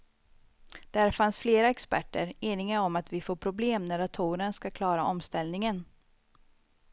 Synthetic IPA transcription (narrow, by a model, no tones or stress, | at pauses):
d̪̥æɾfansfleːɾaɛkspæ̰ʈːə̰ɾeːnɪŋənɔmat̪vɪfoːpʰɾʊbleːmnæɾat̪ʰuːɾənskakʰlɑːɾaʔɔmst̪ɛlnɪŋən